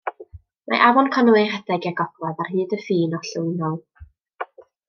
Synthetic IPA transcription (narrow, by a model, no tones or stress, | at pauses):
mʔa̰ʔavɔnkʰɔnuwehɛdɛɡiaɡɔb̥lɔðarhɨːdəfiːnɔɬəwnɔlˠ